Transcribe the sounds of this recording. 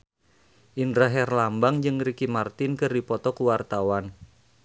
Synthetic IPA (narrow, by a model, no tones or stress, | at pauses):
ʔindɾaɦɛrlambaŋd͡ʒɨŋɾikimart̪ɪnkɨrdipɔt̪ɔkuwart̪awan